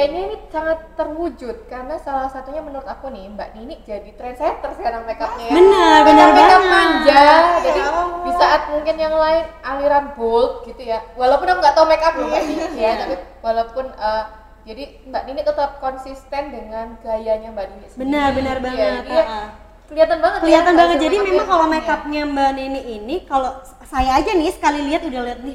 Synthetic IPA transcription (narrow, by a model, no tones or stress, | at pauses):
jaiɲainisaŋat̪ːərwud͡ʒʊt̪̚kaɾənasalahsat̪uɲamənuɾʊt̪akunɪmbaʔninɪk̚d͡ʒadit̪ɾɛnsajat̪ərsəɡaɾaŋmekap̚ɲaənəbənaeaŋmaɲd͡ʒad͡ʒadibisaʔat̪̚muŋkɪnjaŋlaɪnaliɾanbʊlt̪̚ɡit̪ujawalawpʊnakuŋɡaʔt̪aumekap̚naasiisjat̪api | walawpʊnəː | d͡ʒadi | mbaʔninikət̪əp̚kɔnsist̪ɛndəŋanɡajaɲambaninisbənərbənərbaŋənat̪a | kəliat̪anbaŋət̪kəliat̪anbaŋət̪̚d͡ʒadimemaŋkalomekap̚ɲambaniniʔːnikalo | sajaːd͡ʒanɪsə̥kaliliɦat̪udahliat̪̚nɪ